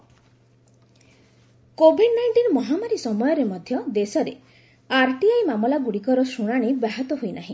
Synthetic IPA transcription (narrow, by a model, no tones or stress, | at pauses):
kobʱiɖnajʈiɾmɔɦamaɾisɔmɔjɔɾemɔd̪ʱjɔd̪esɔɾe | aɾʈiajmamɔlaɡuɽikɔɾɔsuɽ̃aɽ̃ibaɦat̪ɔɦojnaɦĩ